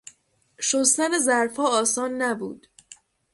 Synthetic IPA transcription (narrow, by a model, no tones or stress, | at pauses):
ʃost̪ænezæɾfɒːɒːsɒːnːæbṵːd̪̥